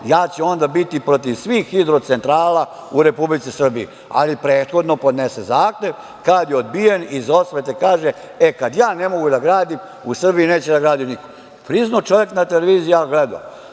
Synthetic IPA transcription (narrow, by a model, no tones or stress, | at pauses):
jaːt͡ɕɛo̞nd̪abit̪ipɾo̞t̪̬iʋsʋiːxːid̪ɾo̞t̪se̞nt̪ɾaːla | uɾe̞publit̪sisr̩biḭ | a̰lipɾeːt̪xo̞d̪no̞po̞d̪nesezaːxeʋ | kad̪jeod̪̚bijenizo̞sʋet̪ekaːʒe | ekad̪jaːne̞mo̞ɡud̪aɡɾaːd̪im | usr̩biineːt͡ɕed̪aɡɾaːd̪iniko̥ | pɾiznot͡ʃo̞ʋje̞knat̪eleʋiːzijaɡled̪a̰